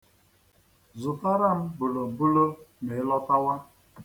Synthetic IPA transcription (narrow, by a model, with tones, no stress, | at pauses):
zʊ˨ka˦ɾa˦˨m̩˦bʊ˨lo˨bʊ˦lo˦me˨˦lɔ˦ta˦wa˦